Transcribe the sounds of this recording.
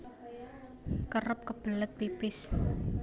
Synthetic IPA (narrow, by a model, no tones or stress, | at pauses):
kərʊp̚kəb̥ələt̪̚pipɪs